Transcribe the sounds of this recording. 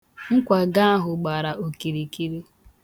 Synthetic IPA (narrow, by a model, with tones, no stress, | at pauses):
ŋ̩˦kʷa˨ɡa˦a˦ɦʊ˨ɡ͡ba˨ɾa˨ʔo˨ki˨ɾi˨ki˦ɾi˦